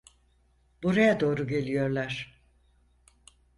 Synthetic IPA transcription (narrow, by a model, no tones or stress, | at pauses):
buɾajad̪o̞ːɾuɟe̞lʲijo̞ɾlˠaɾ̥